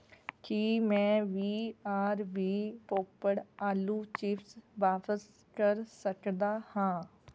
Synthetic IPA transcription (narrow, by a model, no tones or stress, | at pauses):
kimɛ̃ːʋiːaːɾʋiːpoːpəɽaːluːt͡ʃiːfsʋaːpəs | kəɾsəkd̪aːhãː